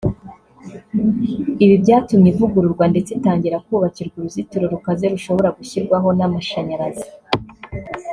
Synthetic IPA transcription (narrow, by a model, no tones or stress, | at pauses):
iβibɟaːtumɲivuɡuɾuɾɡwande̞t͡setaːɲɟiɾakuːβaciɾɡuɾuzituɾoɾukaze̞ɾuʃo̞βo̞ɾaɡuçiɾɡwaɦo̞namaʃaɲaɾazi